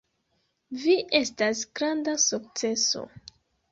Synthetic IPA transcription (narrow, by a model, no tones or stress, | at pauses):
viʔe̞stasɡ̥ɾandasuk̚t͡se̞so̞̰